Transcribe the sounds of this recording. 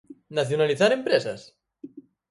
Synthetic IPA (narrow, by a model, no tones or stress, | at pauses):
naθjonaliθaɾempɾesa̰s